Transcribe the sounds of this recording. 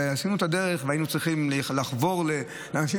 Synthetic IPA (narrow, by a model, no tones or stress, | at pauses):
ehasinuet̪ad̪e̞ʁeχveainut͡sʁiχimllaχvo̞ʁle | leanaʃi